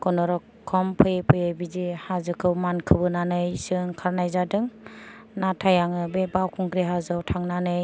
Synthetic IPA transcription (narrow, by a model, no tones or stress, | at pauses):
kɔnɔɾɔkʰːɔmpʰɯjɯpʰɯjɯbizihazɯkʰɯwmankʰɯbɯnanɯjsɯŋkʰaɾnajzadɯŋ | natʰajaŋɯbebawkʰuŋkɾeɦazɯwtʰaŋnanɯj